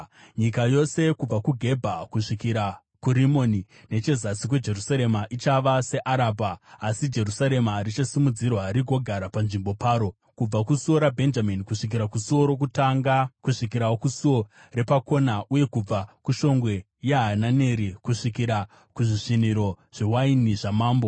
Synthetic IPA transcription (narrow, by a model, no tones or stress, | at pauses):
ɲikajo̞se̞kub͡vakuɡʱe̞bʱakuʂikiɾa | kuɾimoni | ne̞t͡ʃe̞zasik̬we̞d͡ʒe̞rusaɾe̞maʔit͡ʃaʋase̞ʔaɾaːbʱaːsid͡ʒe̞rusaɾe̞marit͡ʃasimud͡zirwaɾiɡʱo̞ɡʱaɾapanʐimbo̞paːɾo̞ | kub͡vakusuo̞ɾabʱe̞nd͡ʒaminikuʂik̬iɾakusuo̞ɾo̞k̬utaŋɡakuʂikiɾawokusuo | re̞pako̞naʔuje̞kub͡vakuʃo̞ŋɡwe̞ | jeɦananeɾikuʂikiɾa | kuʐiʂiniɾo̞ | ʐ̥e̞wainiʐamaːmbo̞